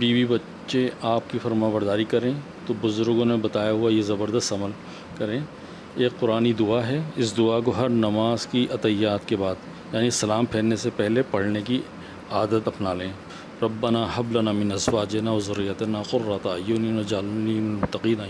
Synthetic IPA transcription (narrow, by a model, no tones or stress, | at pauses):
biːbibɐtːʃeaːp̚kifɐɾmãːbəɾd̪aːɾikɐɾẽː | t̪obʊzʊɾɡõnẽbɐt̪aːjaɦʊajezɐbəɾd̪əst̪ɐməl | kɐɾẽː | eːkqʊɾaːnid̪ʊaɦɛɪsd̪ʊak̬oɦɐɾnɐmaːzkiʔɐt̪ɐjaːt̪kebaːd̪ | jaːnisɐlaːmpʰeːlnesepɛɦlepɐɽ̤neki | aːd̪ət̪ɐpnalẽː | ɾɐbːɐnaːɦɐblɐnaːmɪnɐswaːd͡ʒenaʋɐzʊɾːijɐt̪enaːqʊrːat̪aːjuninod͡ʒaːlniːnɪmʊt̪ːɐqiːnaː